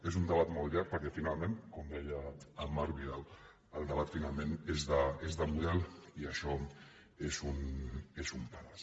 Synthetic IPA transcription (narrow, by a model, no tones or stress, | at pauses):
ezund̪əβ̞at̪mɔlˠʎaɾ̚pəɾkɛfinalˠmẽnkomd̪ɛjəːmaɾβilaw | əlˠd̪əβ̞at̪finalˠmẽnezðəezðəmuðɛliəʃɔ | ezunezumpaɾas